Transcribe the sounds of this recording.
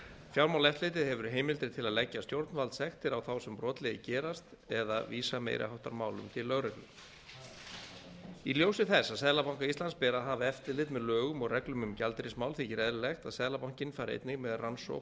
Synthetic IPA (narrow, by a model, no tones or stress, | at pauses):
fjawɾmawlɛft̪lejt̪ɪðhɛvʏɾɦeːjmɪlt̪ɾɪt̪ʰɪlaðlɛcːast̪jowɾt̪nvalt̪sɛxt̪ɪɾawθawsɛmpɾɔːt̪lɛjɪcɛːɾast̪ | ɛðaviːsamḛjɾʔa̰ɦawht̪a̰ɾmaːwlʏ̰mt̪ʰɪlːœɣrɛklʏ | iljowsɪθɛsːaðsɛðlapawŋ̥kaist̪lanspɛːɾaðɦaːvaɛft̪ɪlɪt̪mɛðlœːɣʏmɔɣrɛklʏmʏmcalt̪ɾɪsmaːwlθiːcɪɾɛðɾɪlext̪aðsɛðlapawŋ̥cɪnfaːɾɪḛjt̪nɪɣmɛðranso̰w